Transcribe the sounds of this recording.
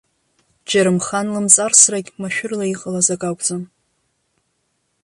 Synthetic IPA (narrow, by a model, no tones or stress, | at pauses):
d͡ʒaɾɨmχanlɨmt͡sʼarsrakʲmaʃᶣʊrlaiqʼəlazakʼakʷʼd͡zʼɨn